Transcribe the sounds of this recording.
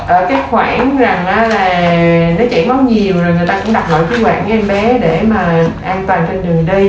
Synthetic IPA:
ʔəː˧˩kaː˨˦jxwaː˧˩ŋza˨˩ŋʔaː˨˩˦laː˨˩nɔ˨˦t͡ɕɛ̰˧˥ŋma˨˦wɲi˨˩əwzo˨˩jŋɨ˨˩əjt̪aː˧kʊ̰˧˥ŋ͡mɗa˨˩k͡p̚ɣɔ̰˧˨jkaː˨˦jxwa̰ː˧˩n˨˧ʔɛ˧mɓɛ˨˦ɗe˧˩maː˨˩ʔaː˧nt̪waː˨˩nt͡ɕe˧nɗɨ˨˩əŋɗə˧j

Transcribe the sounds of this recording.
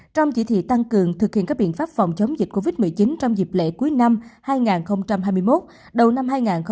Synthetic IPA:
t͡ɕɔ˧wŋ͡mt͡ɕḭ˧˥t̪ʰḭ˧˨t̪a˧ŋkɨ˨˩əŋt̪ʰɨ˨˩k̚hḭ˧˨ka˦˥ɓḭ˧˨ənfaː˦˥p̚fɔ˨˩wŋ͡mt͡ɕə˨˦wŋ͡mzï˨˩k̟̚ko˧vi˦˥t̚mɨ˨˩jt͡ɕi˨˦nt͡ɕɔ˧wŋ͡mzi˨˩p̚lḛ˧˥ku˨˦jna˧mhaː˧jŋaː˨˩nxə˧wŋ͡mt͡ɕa˧mɦaː˧jmɨ˧əjmo˦˥t̚ | ɗə˨˩wna˧mɦaː˧jŋaː˨˩nx

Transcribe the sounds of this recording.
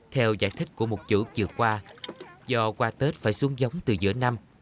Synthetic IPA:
t̪ʰɛ˧wza̰ː˧˩jt̪ʰï˦˥k̟̚ku˧˩əmo˨˩t̚t͡ɕṵ˧˥t͡ɕɨ˨˩əkːwaː˧zɔ˧kwaː˧t̪e˦˥t̚faː˧˩jsu˨˦əŋzə˨˦wŋ͡mt̪ɨ˨˩zɨ̰˧˥əna˧m

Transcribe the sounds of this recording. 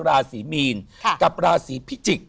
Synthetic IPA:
ɾaː˧siː˩˦miː˧nka˨˩p̚ɾaː˧siː˩˦pʰi˦˥t͡ɕi˨˩k̚

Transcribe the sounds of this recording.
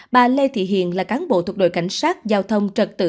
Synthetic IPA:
ɓaː˨˩le˧t̪ʰḭ˧˨ɦḭ˧˨ənlaː˨˩kaː˨˦nɓo̰˧˨t̪ʰw̚ɗo̰˧˨jka˧˩jŋ̟saː˦˥t̚zaː˧wt̪ʰə˧wŋ͡mt͡ɕə˨˩t̚t̪ɨ̰˧˨

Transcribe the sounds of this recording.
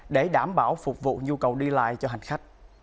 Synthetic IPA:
ɗe˧˩ɗaː˧˩mɓaː˧˩wfʊ˨˩k͡p̚vṵ˧˨ɲu˧kə˨˩wɗi˧la̰ː˧˨jt͡ɕɔ˧ɦa˨˩ŋ̟xa˦˥jk̟̚

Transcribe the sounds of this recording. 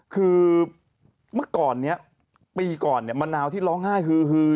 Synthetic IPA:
kʰɯː˧ | mɯ˥˩ɐkɔː˨˩nːi˦˥ɐ | piː˧kɔː˨˩nːi˨˩ma˧nlaː˧wt̪ʰiː˥˩lɔː˦˥ŋhaː˥˩jkʰɯː˧kɯː˧

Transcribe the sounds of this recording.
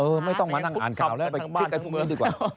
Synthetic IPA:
ʔɤː˧ma˥˩jt̪ɔ˥˩ŋmaː˧˩na˧˩ŋa̰ː˨˩˦nka˧˨˩wlɛ˦˥wpa˧˦˥t̪̚t͡ɕa˧pʰuː˥˩m˧i˧˥˩diː˧˩kwaː˧˨˩

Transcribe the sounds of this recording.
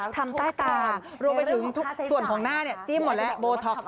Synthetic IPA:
t̪ʰa˧mt̪aː˥˩jt̪aː˧ | ɾu˧əmpa˧jt̪ʰɯ˩˦ŋt̪ʰu˦˥ksu˨˩ənkʰɔː˨˩˦ŋnaː˥˩ni˥˩ɐt͡ɕiː˥˩mːo˨˩t̪̚lɛ˦˥boː˧t̪ʰɔ˦˥k̚

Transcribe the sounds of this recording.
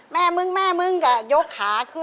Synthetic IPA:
mɛː˥˩mɯ˧˥˩ŋmɛː˥˩mɯ˧˥˩ŋka˧˩jo˦˥k̚ʰːaː˩˦kʰɯ˦˥˩

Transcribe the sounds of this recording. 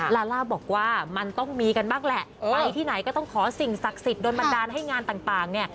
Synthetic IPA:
laː˧laː˥˩wbɔː˨˩k̚waː˥˩ma˧nt̪ɔ˥˩ŋmiː˧ka˧nbaː˥˩ŋlɛ˨˩ʔa˧jt̪ʰiː˥˩na˩˦jkɔː˥˩t̪ɔ˥˩ŋkʰɔː˩˦si˨˩ŋsa˨˩k̚si˨˩t̪̚doː˧nba˧ndaː˧nɦa˥˩jŋaː˧nt̪aː˨˩ŋt̪aː˨˩ŋni˥˩

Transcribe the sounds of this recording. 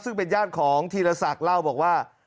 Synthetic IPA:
sɯ˥˩ŋpe˧njaː˥˩t̪̚kʰɔː˩˦ŋt̪ʰiː˧ɾa˧sa˨˩k̚la˥˩wbɔː˨˩k̚waː˥˩

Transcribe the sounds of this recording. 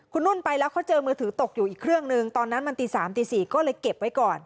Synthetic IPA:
kʰu˧nɾu˥˩npa˧jlɛː˦˥wkʰɔ˥˩t͡ɕɤː˧mɯː˧t̪ʰɯː˩˦t̪o˨˩k̚juː˨ʔiː˨˩kʰːɾɯ˥˩əŋnɯ˨˧ŋt̪ɔː˧nːa˦˥nma˧nt̪iː˧˩saː˩˦mt̪iː˧siː˨˩kɔː˥˩lɤː˧jke˨˩p̚wa˦˥jkɔː˨˩n

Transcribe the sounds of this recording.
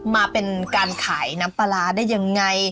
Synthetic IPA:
maː˧pe˧nkaː˧nkʰaː˩˦jna˦˥mpa˧laː˧˩daː˥˩jːa˧ŋːa˧j

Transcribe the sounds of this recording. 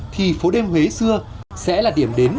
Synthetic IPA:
t̪ʰi˨˩fo˨˦ɗe˧mɦwe˨˦sɨ˧ə | sɛ̰˧˥laː˨˩ɗi˧˩əmɗe˨˦n

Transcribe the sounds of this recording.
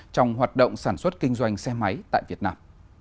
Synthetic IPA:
t͡ɕɔ˧wŋ͡mɦwaː˨˩t̚ɗo̰˧˨wŋ͡msaː˧˩nswə˦˥t̚kï˧ŋ̟zwa˧jŋ̟sɛ˧ma˨˦jt̪a̰ː˧˨vi˨˩ət̚naː˧m

